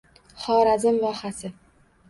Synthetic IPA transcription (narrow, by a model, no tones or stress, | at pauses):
χɒːɾazɪmvɒhasɪ